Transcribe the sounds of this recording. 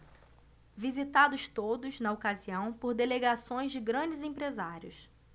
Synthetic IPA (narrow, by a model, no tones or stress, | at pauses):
vizit̪ad̪ʊst̪od̪ʊznɐokaziɐ̃w̃poɾd̪eleɡasõj̃zd͡ʒɪɡɾɐ̃d͡ʒɪzẽpɾezaɾiʊs